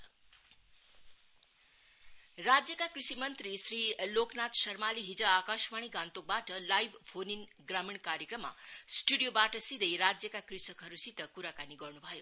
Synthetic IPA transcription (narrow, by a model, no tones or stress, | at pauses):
rad͡zjʌkakrisimʌnt̪risriloknat̪sʌrmaliɦid͡zʌakasmaɽ̃iɡãnt̪ok̚baʈʌlajbʱpʰonin | ɡramiɳkaɾjekrʌmːa̰sʈuɽijobaʈʌsid̪ʱʌjɾad͡zjʌkakrisʌkɦʌɾusit̪ʌkuɾakaniɡʌrnubʱʌjo